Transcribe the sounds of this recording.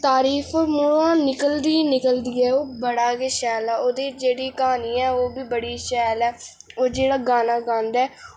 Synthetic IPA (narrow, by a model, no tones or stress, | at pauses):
t̪aːɾiːfʰːmʊɽãːnɪkəld̪iːnɪkəld̪iːɛːoːbəɽaːkeːʃɛːlɛːoːd̪eːd͡ʒeːɽiːkaːniːɛːoːbiːbəɽiːʃɛːlɛː | oːd͡ʒeːɽaːɡaːnaːɡãːnd̪ɛː